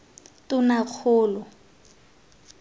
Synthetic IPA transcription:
tʊnak͡xʰʊːlɔ

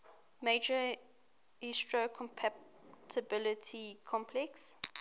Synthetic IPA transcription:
meɪd͡ʒə | istɹokʰɔ̃mpʰa | tʰəbɪlətʰikʰɔ̃mpʰlɛks

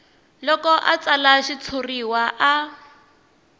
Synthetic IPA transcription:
lɔkɔʔat͡salaʃit͡sʰuriwaʔa

